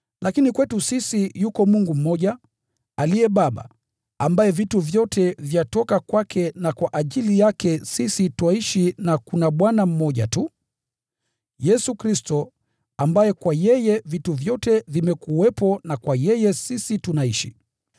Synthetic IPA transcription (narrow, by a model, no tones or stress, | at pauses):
lakinikwɛtusisijukɔmuŋɡum̩mɔʄa | aliɛɓaɓa̰ | ambajɛvituvjɔtʰɛvjatɔkakwakʰɛnakwaʔaʄilijakɛsisitwaiʃinakunaɓwanam̩mɔʄa̰tu | jɛsukɾistɔ | ambajɛkwajɛjɛvituvjɔtɛvimɛkuwɛpɔnakwajɛjɛsisitunaiʃḭ